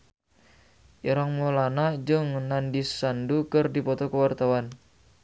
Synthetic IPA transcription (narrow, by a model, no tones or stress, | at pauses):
ʔiɾaŋmolanad͡ʒɨŋnandisandukɨrdipɔt̪ɔkəwart̪awan